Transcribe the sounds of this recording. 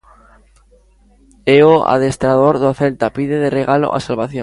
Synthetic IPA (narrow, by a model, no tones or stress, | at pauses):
eoa̰ð̞e̞st̪ɾaðo̞ɾðoaθe̞lt̪apiðeð̞e̞re̞ɣalo̞̰ʔa̰salβaθjõ